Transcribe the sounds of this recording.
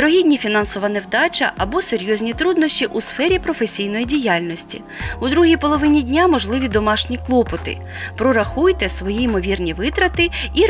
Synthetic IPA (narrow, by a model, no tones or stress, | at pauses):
t̪ɾɔɦʲid̪ʲnʲifʲinɑnsɔʋɐnewd̪ɑt͡ʃɐ̰ʔɐbɔseɾʲjɔzʲnʲit̪ɾud̪nɔʃʲt͡ʃʲiʔusfɛɾʲipɾɔfesʲijn̪ɔjidʲijɑlʲnɔsʲtʲḭ | ud̪ɾuɦijpɔlˠɔʋɪnʲidʲnʲamɔʒlˠɪʋʲid̪ɔmɑʃnʲiklˠɔpɔt̪ɪ̰ | pɾɔɾɐxujt̪ɛsʋɔjimɔʋʲirnʲiʋɪt̪ɾɐt̪ɪi